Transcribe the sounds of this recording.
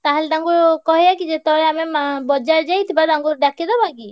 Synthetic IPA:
t̪aɦelɖaŋɡuɾkɔɦijakid͡ʒet̪ɔɾeamemabɔd͡ʒaɾd͡ʒajt̪ʰibad̪aŋɡuɾɖakid̪ɔbaki

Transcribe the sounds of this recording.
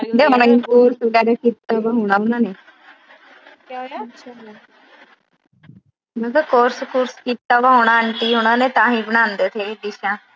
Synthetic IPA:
d̪ekuːɾsɖaːɾakiːt̪ːaːbaɦoːɳaːɦonaːneː | kːaʃʰa | məkəkoːɾskuːɾskiːt̪ːaːbaːɦoːɳaːəɳʈiːɦoñãːneːt̪ãːɦĩːbəɽãːnd̪eːt̪ʰeːd̪ɪʃãː

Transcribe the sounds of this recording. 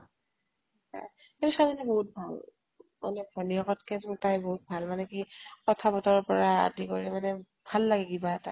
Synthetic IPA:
asa̰ | eluʃadinɛboɦut̚bʱal | ma̰nɛdʱɔnijɔkɔtkɛttajboɦut̚bʱalmanɛkikɔtʰabɔtɔɹɔpɔɹaa̰dikoɹimanɛ | bʱalːaɡɛkibaɛta̰

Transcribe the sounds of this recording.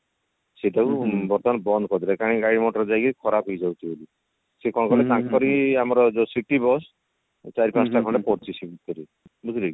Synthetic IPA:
seʈakubɔɾt̪ɔanbɔnd̪ɔkɔd̪iɾakaɽ̃iɡaɽimɔʈɔɾd͡ʒajkikʰɔɾapɦojd͡ʒawt̪ʰiboli | sekɔnkɔlet̪ãŋkkɔɾiamɔɾɔd͡ʒosiʈibɔs | t͡ʃaɾipãsʈaɡʰʱɔɳɖapɔɾt͡ʃʰisibut̪̚kɔɾi | but̪ɾi

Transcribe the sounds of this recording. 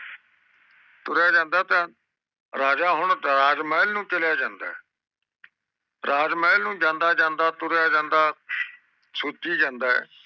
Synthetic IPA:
t̪ʊɾjaːd͡ʒãːnd̪aːt̪ãː | ɾaːd͡ʒaːɦʊɳɾaːd͡ʒmɛːɪlnũːt͡ʃɪljaːd͡ʒãːnd̪a̰ːɛː | ɾaːd͡ʒmɛːɪlnũːd͡ʒãːnd̪aːd͡ʒãːnd̪aːt̪ʊɾjaːd͡ʒãːnd̪aː | sʊtiːd͡ʒãːnd̪aːɛ̰ː

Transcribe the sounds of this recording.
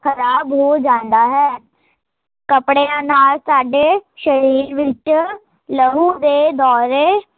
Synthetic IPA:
kʰəɾaːbɦoːd͡ʒãːnd̪aːɦɛː | kəpɽeãːnaːlsaːɖeːʃəɾiːɾʋɪt͡ʃ | ləɦuːd̪eːd̪ɔːɾeː

